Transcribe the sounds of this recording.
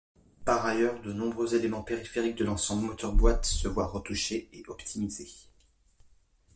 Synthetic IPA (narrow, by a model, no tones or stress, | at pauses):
paʁajœʁd̪ənɔ̃bʁøzelemɑ̃peʁifeʁik̚d̪əlɑ̃sɑ̃blmɔt̪ɔʁbwat̪səvwaʁət̪uʃeeʔɔpt̪ʰimize